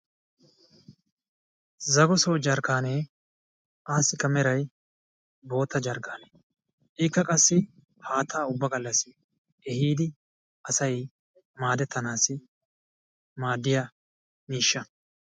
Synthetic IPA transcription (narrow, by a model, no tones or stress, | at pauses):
zɐɡɔsɔwd͡ʒɐɾkaːneː | ʔaːsɪkːɐmɛɾɐj | bo̞ːt̪ːɐd͡ʒɐɾkaːne | ʔɪkːɐkʼɐsːɪ | haːt̪ʰːaːʊbːɐɡɐlːɐsɪ | ɛhiːd̪ɪ | ɐsɐj | maːd̪ɛt̪ːɐnaːsɪ | maːd̪ːɪja | niːʃːɐ